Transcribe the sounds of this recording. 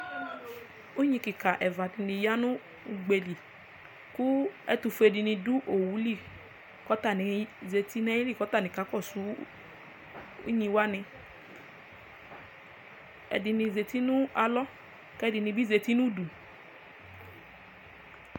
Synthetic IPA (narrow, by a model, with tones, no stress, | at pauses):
u˦ɲĩ˧ki˨ka˨ʔɛ˨va˨di˧nĩ˧ja˦nũ˦ | u˧ɡ͡be˧li˨ | ku˦ɛ̰˦tu˧fe˧di˧nĩ˧du˦ʔo˨wu˨˦li˦˨ | kɔ˦ta˦˨nɛ˨˦ze˧ti˦nɛ˦ji˦li˦˨kɔ˨˦ta˦˨nĩ˨ka˨˦kɔ˦˨su˨˦ | ṵ˦ɲĩ˧wa˦nɛ˧ | ɛ̰˨di˧nĩ˧ze˨ti˦nũ˦a˧lɔ˦ | kɛ˦di˧nĩ˧bi˦ze˧ti˦nũ˦du˨